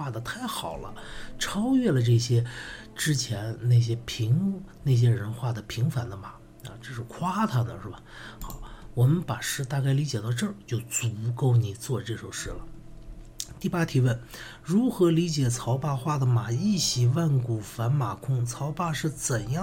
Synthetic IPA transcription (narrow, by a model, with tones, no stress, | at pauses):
wa˥˩d̪ə˩t̪ʰa˥˩ɪxɑ˨˩ʊlə̰˦ʈ͡ʂʰɑ˥ʊjɥɛ˥˩lə˩ʈ͡ʂɤ˥˩ɕjɛ˥ | ʈ͡ʂɻ̩˥t͡ɕʰjɛ˧˥nna˥˩ɪɕ̬jɛ˥pʰi˧˥ŋne˥˩ɪɕ̬jɛ˥ɻə˧˥nxwa˥˩d̪ə˩pʰi˧˥ŋfa˧˥nd̪ə˧ma˨˩˦ | ɐ̰˧ʈ͡ʂɤ˥˧ʂɻ̩˥˧kʰwa˥t̪ʰa˥d̪ə˨ʂɻ̩˥˩ba˩xɑ˧˦wɔ˨˩mə˦npa˨˩ʂɻ̩˥˧t̪a˥˧ka˥˩ɪli˧˥t͡ɕjɛ˨˩t̪ɑ˥˧ʊʈ͡ʂɤ˥˩t͡ɕjo˥˩ʊt͡su˧˥ko˥˩ʊni˨˩t͡swɔ˥˧ʈ͡ʂɤ˥˩ʂo˨˩ʊʂɻ̩˥˩lə˩ | t̪i˥˩pa˥t̪ʰi˨˩wə˥˩n | ɻu˧˥xɤ˧˥li˧˥t͡ɕjɛ˨˩t͡sʰɑ˧˥ʊpa˥˧xwa˥˩d̪ə˩ma˨˩i˥˩ɕi˨˩wa˥˩nku˨˩fa˧˥nma˨˩kʰʊ˥ŋt͡sʰɑ˧˥ʊpa˥˧ʂɻ̩˥˩t͡sə˨˩njɑ˥